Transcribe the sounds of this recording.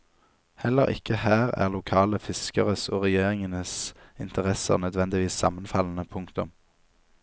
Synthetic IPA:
hɛlːəʁɪ̰kəhæːʁæ̰ːʁlʊkʰɑːləfɪskəʁəsoːʁɛjeːʁɪŋənəsɪnt̪əʁɛsə̰ʁnœd̪ʋɛnd̪ɪʋiːsːɑmənfɑln̩əpʰʊŋkt̪ʊm

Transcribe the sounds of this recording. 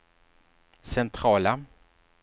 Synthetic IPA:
sɛnt̪ʰɾɑːla

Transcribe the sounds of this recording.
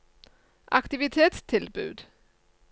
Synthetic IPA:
ʔakt̪ɪvɪt̪ʰeːt̪st̪ʰɪlbʉ̟̰ːd̪

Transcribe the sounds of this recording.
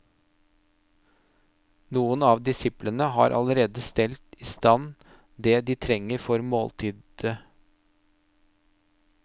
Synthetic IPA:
nuːənɑːʋd̪ɪsɪplənəɦɑ̰ːɾʔɑ̰ləɾeːd̪əst̪ɛlt̪ɪst̪ɑn | d̪eːd̪iːt̪ʰɾɛŋːəɾfɔɾmo̰ːlt̪ʰiːd̪ə

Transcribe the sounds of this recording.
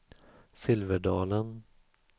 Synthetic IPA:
sɪlvəɖɑːlən

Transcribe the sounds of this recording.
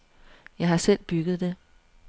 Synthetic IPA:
jɑ̈ɪhɑ̈sel̰b̥yɡ̥ð̞̩ˠd̥e̝

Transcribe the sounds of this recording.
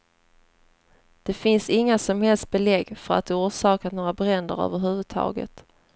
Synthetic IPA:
d̪̥ɛfɪnsɪŋːasɔmhɛlst̪̚bɛlɛɡːfœɾa̰t̪̚d̪ɛuːʂɑːkat̪noːɾabɾɛnd̪ə̰ɾœ̰ːvəɾɦʉ̟ːvɵd̪̚t̪ʰɑ̰ːɡə̰t̪

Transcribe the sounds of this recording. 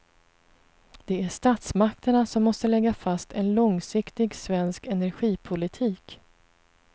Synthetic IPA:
d̪̥ɛæʂt̪aːt̪smakt̪əɳasɔmːɔst̪əlɛɡːafast̪ɛnlɔŋsɪkt̪ɪɡsvɛnskɛnæɾɧiːpʰʊlɪt̪ʰiːk

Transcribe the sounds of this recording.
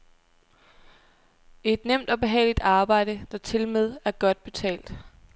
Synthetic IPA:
e̝d̥nem̰d̥ɒ̽b̥e̝ɦɛ̰ːlid̥ɑ̈ːb̥ɑ̈ɪ̰d̥əd̥ɑ̈t͡sʰe̝lmeð̞ˠæɐɡ̥ɒ̽d̥̚b̥e̝t͡sʰɛ̰ːld̥

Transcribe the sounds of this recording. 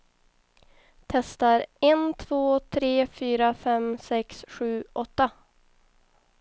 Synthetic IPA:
t̪ʰɛst̪aɾɛnt̪ʰv̥oːt̪ʰɾeːfyːɾafɛmsɛksɧʉ̟ːʔɔt̪ːa

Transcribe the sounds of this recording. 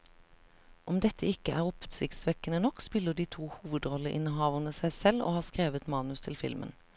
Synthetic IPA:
ʔɔmd̪ɛt̪əɪkəʔæːʁɔpsɪkt̪sʋɛkənənɔkspɪləd̪iːt̪ʰuːhuːʋəd̪ʁɔləʔɪ̰nəhɑːʋənəsæɪsɛlo̰ːhɑːskʁeːʋət̪mɑːnʉst̪ʰɪlfɪlmə̰n

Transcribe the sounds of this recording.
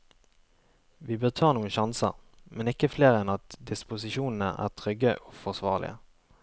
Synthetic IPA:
ʋiːbøːʁt̪ʰɑːʁnuːənʃɑnsə̰ʁ | mɛnɪkːəfleːʁɛnɑt̪d̪ɪspʊsɪʃuːnn̩əʔæ̰ːʁt̪ʰʁʏɡəʔofɔʁsʋɑːʁlɪ̰ə̰

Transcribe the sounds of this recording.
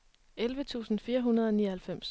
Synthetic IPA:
elʋət͡sʰṵːsn̩fiːɐɦunɐðˠɒ̽niːɐhælfem̰s

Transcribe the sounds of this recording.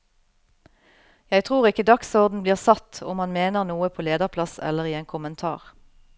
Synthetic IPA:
jæɪt̪ʰʁuːʁɪkəd̪ɑksɔʁd̪n̩bliːʁsɑt̪ʊ̰mhɑnmeːnəʁnuːəpʰoːleːd̪əʁpʰlɑsɛ̰ləʁiːeːŋkʰʊmənt̪ʰɑ̰ːʁ

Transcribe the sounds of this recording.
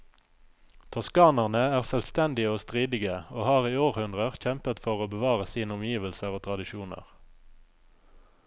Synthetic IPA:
t̪ʰɑskɑːnəʁnəæːʁsœlst̪ɛnd̪ɪəoːst̪ʁiːd̪ɪɡəoːhɑːʁiːoːʁhʉnʁəʁçɛmpət̪fɔʁoːbəʋɑːʁəsiːnəʊmjiːʋəlsəʁoːt̪ʰʁɑd̪ɪʃuːnə̰ʁ

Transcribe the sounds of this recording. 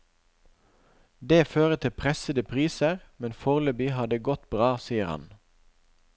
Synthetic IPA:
d̪eːføːʁət̪ʰɪpʰʁɛsəd̪əpʰʁiːsəʁmɛnfɔʁlʉbihɑd̪əɡɔt̪̚bʁɑːsiːəʁhɑ̰n

